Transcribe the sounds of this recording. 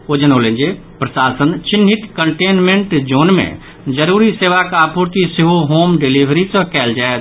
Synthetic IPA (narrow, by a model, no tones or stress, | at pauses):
oːd͡ʒənoːlẽːnd͡ʒe | pɾɐsaːsənt͡ʃɪnɦɪt̪kəɳʈeːnmẽɳʈd͡ʒoːnmḛ̃ | d͡ʒəɾuːɾiseːʋakaːpuɾt̪iseɦoɦoːmɖeliːʋʱɾisəkɛːld͡ʒaːet̪